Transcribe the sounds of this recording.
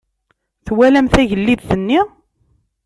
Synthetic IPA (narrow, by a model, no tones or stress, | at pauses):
θwælæmθæʝəlːiðθənːi